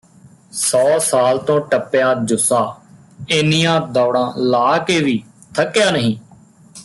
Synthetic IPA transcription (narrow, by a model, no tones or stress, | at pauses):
sɔːsaːlt̪õːʈəpːɪjaːd͡ʒʊsaː | ɪnijãːd̪ɔːɽãːlaːkeːʋiː | t̪ʰəkːjaːnəɦĩː